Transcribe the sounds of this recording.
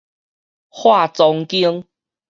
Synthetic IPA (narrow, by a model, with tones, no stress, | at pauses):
hwa˥˨t͡sɔ˧ŋki˦əŋ